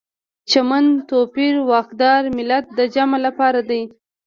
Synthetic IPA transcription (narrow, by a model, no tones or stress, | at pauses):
t͡ʃamant̪opiɾwɑxd̪ɑɾmɪlat̪̚d̪əd͡ʒamalapɑɾad̪aj